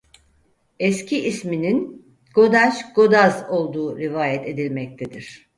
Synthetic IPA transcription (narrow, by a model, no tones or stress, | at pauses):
ɛscʰiʔːsminin | ɡ̥o̞d̪aʃɡ̥o̞d̪azo̞lˠd̪uːɾivaːjɛt̪ʰe̞d̪ilʲmɛc̚t̪ʰed̪iɾ̝̥